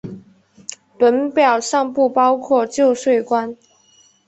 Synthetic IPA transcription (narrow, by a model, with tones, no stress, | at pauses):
pə˧˥npjɑ˨˩ʊʂɑ˥˧ŋpu˥˩pɑ˥ʊkʰwɔ˥˧t͡ɕjo˥˧ʊʂwe˥˩ɪkwa˦n